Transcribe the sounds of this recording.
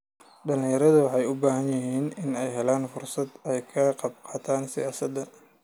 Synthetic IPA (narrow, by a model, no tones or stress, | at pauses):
ɖɐlɪ̃ŋjɐɾɐðʊwɑħɑjʊbaːɦɐnjɪɦiːnɪnɛjɦɛlaːnfʊrsɐd̪ɛjkʰɐqɑb̚qɑːt̪ʰaːnsɪ̰jaːsɐd̪ɐ